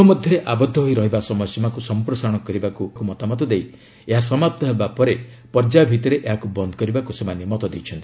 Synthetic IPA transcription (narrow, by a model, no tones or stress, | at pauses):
ɔmɔd̪ʱjɔɾeʔabɔd̪ʱːɔɦojɾɔɦibasɔmɔjsimakusɔmpɾɔsaɾɔɽ̃ɔkɔɾibakukumɔt̪amɔt̪ɔd̪ej | eɦasɔmap̚t̪ɔɦebapɔɾe | pɔɾd͡ʒabʱit̪ɔɾeʔeɦakubɔnd̪ʱɔ̥kɔɾibakusemanimɔt̪ɔd̪ejt͡ʃʰɔnt̪ii